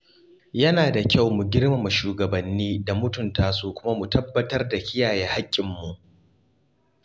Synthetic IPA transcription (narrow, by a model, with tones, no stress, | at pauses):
jɐ˦naː˨da˨kʲa˦˨wmu˨ɡʲɪ˦ɽma˨mu˨ʃuː˨ɡɐ˨bɐ˨nːiː˦da˨mʊ˦tʊ˨ntaː˦suː˦kʷʊ˦ma˦mu˨tɐ˦bːɐ˦tɐ˦rda˨kʲɪ˦jaː˨jɛː˦ha˦kʲʼːɪ˨mːu˨ʔ